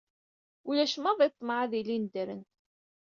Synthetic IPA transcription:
ulæʃəmɑðˤit̪ˤːmʕaðilind̪əɾənt̪

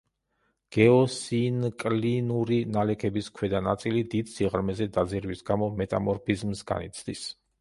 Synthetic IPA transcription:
ɡ̥ɛɔsinkʼlinuɾinalɛkʰɛbiskʰwɛd̪ana̰t̪sʼilid̪id̪siʁɾmɛzɛd̪ad̪ziɾvisɡamɔmɛt̪ʼamɔɾpʰizmsɡa̰nḭt̪sʰd̪is

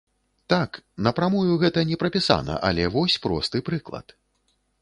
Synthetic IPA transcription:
t̪aknɐpɾamɔjʲuɣɛt̪ɐnʲɛpɾɐpʲisa̰nɐ̰ʔalʲɛvɔsʲpɾɔ̰st̪ɨpɾɨklˠɐ̰t̪

